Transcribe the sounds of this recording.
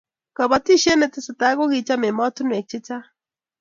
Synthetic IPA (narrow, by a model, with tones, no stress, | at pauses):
ka˨βat̪i˦ʃe˦ne˧t̪esat̪aɣo˦ɣi˨t͡ʃame˨ma˦t̪u˦ne˨k̚t͡ʃi˦t͡sa˦